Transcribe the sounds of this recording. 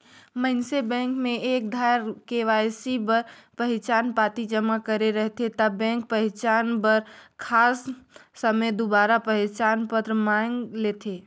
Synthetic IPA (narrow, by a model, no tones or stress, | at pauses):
məɦnsebɛ̃ŋkmeʔek̚d̪ʱaɾkeʋajsibəɾpəɦit͡ʃanpat̪id͡ʒəmakəɾeɾəɦt̪ʰet̪əbɛ̃ŋk̚pəɦɪt͡ʃanbəɾkʰasːəməjd̪obaɾapəɦit͡ʃanpət̪ɾəmaŋɡlet̪ʰe